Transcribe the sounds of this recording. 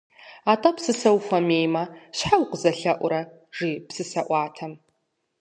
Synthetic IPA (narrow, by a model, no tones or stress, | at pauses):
atʼɐpsɨsɐwfʷɐmeːjmɐɕħawqʷzɐɬɐʔʷʊɾɐ | ʐipsɨsɐʔʷɑːtʰɐm